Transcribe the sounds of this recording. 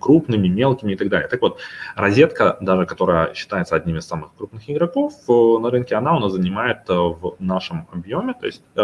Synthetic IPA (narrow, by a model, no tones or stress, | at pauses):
kɾupnɨmʲɪmʲe̞lˠkʲɪmʲɪɪt̪ɐɡ̚d̪alʲɪjət̪akvo̞t̪̚rɐzʲe̞t̪kəd̪aʐɨkɐt̪o̞ɾəjəɕːɪ̥t̪ajɪt̪səɐdʲnʲimɪsːamɨxkɾup̚nɨxɪɡɾɐko̞fnɐɾɨnkʲɪɐnaʊnazənʲɪmajɪt̪vnaʂɨmɐ̰bjo̞mʲɪt̪o̞̰ɪsʲt̚ʲ